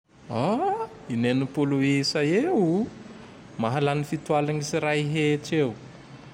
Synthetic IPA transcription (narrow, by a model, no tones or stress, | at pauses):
a | inenupuluesajeu | maɦalanifit̪ualaɲisiɾaiɦeʈ͡ʂew